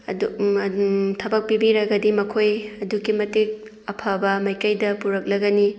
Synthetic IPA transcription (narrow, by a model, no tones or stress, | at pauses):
ɐdu | tʰɐbɐk̚pibiɾɐɡɐdimɐkʰojɐduɡimɐtik̚ | ɐpʰabɐmɐjkɐjdɐpuɾɐk̚lɐɡɐni